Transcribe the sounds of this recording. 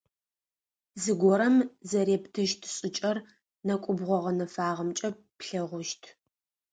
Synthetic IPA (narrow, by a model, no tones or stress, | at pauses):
zɨɡʷɔɾɐmzɐɾeːptʰɨʃtʰɕʼɪt͡ʃʼɐr | nɐkʷʼʊbʁʷɔʁɐnɐfaːʁɐmt͡ʃʼɐ | pɬɐʁʷʊʃtʰ